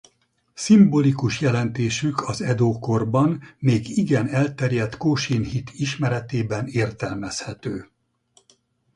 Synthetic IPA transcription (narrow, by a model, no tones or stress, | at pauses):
simbo̞likuʃjɛlɛnt̪eːʃykʰɒzɛd̪oːko̞rbɒnmeːɡiɡɛnɛlt̪ɛrjɛt̪koːʃinhit̪ʰiʃmɛɾɛt̪eːbɛneːrt̪ɛlmɛshɛt̪øː